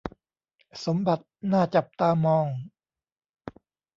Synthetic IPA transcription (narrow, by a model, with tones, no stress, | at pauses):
so˩˦mba˨˩t̪̚naː˥˩t͡ɕa˨˩p̚t̪aː˧mɔː˧˩ŋ